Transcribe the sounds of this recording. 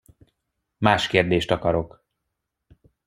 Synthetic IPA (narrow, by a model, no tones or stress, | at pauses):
maːʃkeːrd̪eːʃt̪ɒkɒɾo̞k